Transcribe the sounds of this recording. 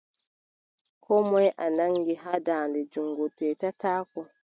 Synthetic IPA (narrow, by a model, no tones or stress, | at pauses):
kʰɔmɔjʔanaŋɡiɦadaːndɛd͡ʒuŋɡɔtɛːtataːkɔ